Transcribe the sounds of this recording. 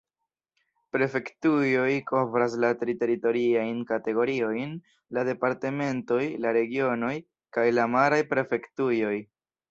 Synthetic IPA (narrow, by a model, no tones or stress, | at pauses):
pɾe̞fe̞ktujo̞jkʰo̞vɾas̬lateɾite̞ɾito̞ɾiajnkate̞ɡo̞ɾio̞jn | lade̞paɾte̞me̞nto̞jlaɾe̞ɡio̞no̞j | kajlamaɾajpɾe̞fe̞ktujo̞j